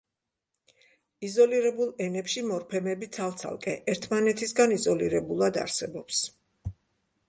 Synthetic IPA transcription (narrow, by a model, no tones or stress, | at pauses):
izɔliɾɛbulˠɛnɛpʃimɔɾpʰɛmɛbit̪sʰalˠt̪sʰa̰lˠkʼɛʔɛɾt̪ʰmanɛt̪ʰisɡanizɔliɾɛbulˠad̪a̰ɾsɛbɔps